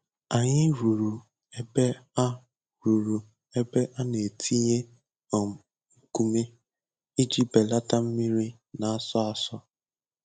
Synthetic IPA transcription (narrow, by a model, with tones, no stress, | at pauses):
a˨ɲɪ˦ɾu˨ɾu˨ | e˦be˦a˦ | ɾu˨ɾu˨ | e˦be˦ʔa˦ne˨tʰi˦ɲe˦ | ɔ˨ | ku˦me˦ | i˦d͡ʒi˦be˨la˦ta˦m̩˦mi˦ɾi˦ | na˨a˦sɔ˦a˨sɔ˦